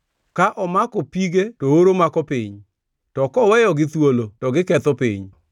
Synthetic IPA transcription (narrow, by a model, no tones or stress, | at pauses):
kaʔɔmakɔpiɡetooɾomakɔpiɲ | tɔkɔwɛjɔɡɪt̪wolotɔɡɪkɛt̪ɔpḭɲ